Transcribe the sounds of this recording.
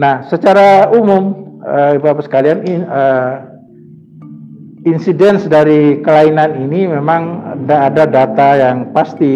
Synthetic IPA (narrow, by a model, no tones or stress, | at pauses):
nahsət͡ʃaɾaumʊməbaːpasə̥kalianiə | insidɛnsdaɾikəlainaninimemaŋəndaːdadat̪ajaŋpast̪i